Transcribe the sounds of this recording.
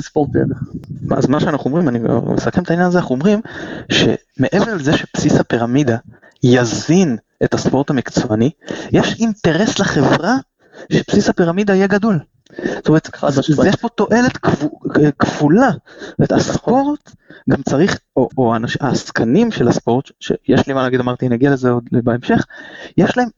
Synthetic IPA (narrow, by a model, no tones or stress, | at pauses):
spot̪ḛdma̰azmaʃeanaχumʁimaniɡa̰mesakemt̪ainjanazeanaχuomʁimʃe̞̰ | me̞ʔeveʁlezeʃe̞psisapiʁamid̪a | jazin | ʔetaspo̞ʁt̪amikt͡sanijeʃinte̞ʁe̞sleχe̞vʁa | ʃepsisapiʁamid̪aijeɡado̞l | stometjeʃpo̞to̞ʔe̞le̞t̪kkv̥ulastttome̞taspo̞ʁt̪ | ɡamt͡saʁiχooanaʃaskʰanimʃelaspo̞ʁt̪ʃe̞̰jeʃlimanlaːɡid̪amaʁt̪iniaɡialezeod̪beemʃe̞χjeʃlae̞m